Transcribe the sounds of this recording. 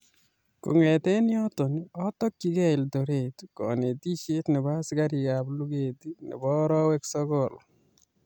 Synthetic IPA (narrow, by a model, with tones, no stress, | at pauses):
kṵ˨ŋɛ˨tɛ˦ni˦ɔ˦to˨nɔ˦tɔ˦kːi˦kɛ˦ɪ˨lto˨ɾe˨tkɔ̰˨ne˨ti˦ʃe˦tnɪ˨ba˦ska˦ɾi˨ka˨blu˦ɡe˨ti˦nɪ̰˨bɔ˦ɾɔ˦wɛ˦ksɔ˦kɔ˨l